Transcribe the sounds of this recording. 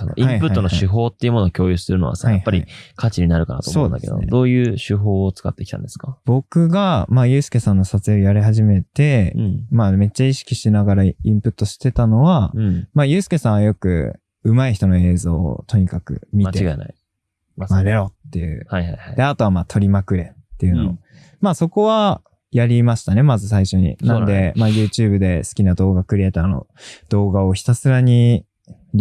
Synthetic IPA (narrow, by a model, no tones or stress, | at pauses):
sano̰ʔĩamihpɯ̟taːonoaɕɨɦo̞ːt̪ːeiɯmo̞noːkʲʰoːjɯsɨɾɯ̟no̞̰βa̰sa̰ːaaihpːaɾʲḭkʰat͡ɕiɲ̟inaɾɯ̟ka̰nat̪omsõ̰nd̪a̰ked̪o̰d̪o̞ːjɯ̟ːɕɨɦo̞ːt͡sɨ̥kat̪ːe̞kʲi̥t̪ã̰nd̪esɨ̥kḁb̥o̞kɯ̟ɡamaːjɯ̟ːsɨ̥ke̞sãnːo̞sat͡sɨjoijaɾiɦaʑime̞t̪ẽ̞maːme̞t͡ɕːaiɕi̥kʲiɕinaɡaɾaĩmpɯ̟t̪ːo̞ɕi̥t̪e̞t̪ano̞βãmaːjɯ̟ːsɨ̥ke̞sãɰ̃βajo̞kɯ̟̰ | ɯ̟maiçi̥t̪o̞no̞e̞ːzo̞̰ːt̪ʰo̞ɲ̟ikakɯ̟̰mʲit̪e̞ | maɾeɾo̞t̪ːe̞jɯ̰ːad̪e̞at̪o̞βamaːt̪ʰo̞ɾʲimakɯ̟ɾe̞t̪ːe̞jɯ̟no | maːso̞ko̞βa | jaɾʲimaɕi̥t̪ane̞mazɨs̬aiɕo̞ɲ̟ḭnãnnd̪e̞maːjɯ̟ːt͡ɕɨːbɯ̟d̪e̞sɨ̥kʲinad̪o̞ːɡakɯɾʲiet̪ano̰ | d̪̥o̞ːɡao̞çi̥t̪asɨɾaɲ̟i